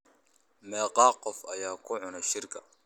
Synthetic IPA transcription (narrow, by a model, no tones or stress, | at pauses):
mɛːqɑːqːɔfɐjaːkʰʊʕʊnɐʃɪrkʰɐ